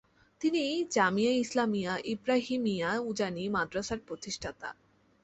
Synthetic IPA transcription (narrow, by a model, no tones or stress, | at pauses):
t̪inid͡ʑamijaislamijaʔibɾaɦimijaud͡ʑanimad̪ɾasaɾpɾot̪iʃʈʰat̪a̰